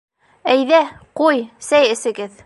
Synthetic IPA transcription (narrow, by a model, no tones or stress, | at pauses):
æjðæqujsæjɘ̆sɘ̆ɡɘð